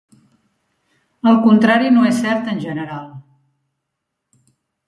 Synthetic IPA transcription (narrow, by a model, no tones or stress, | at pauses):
əlˠkunt̪ɾaɾinoesːɛɾt̪ənʲʒənəɾalˠ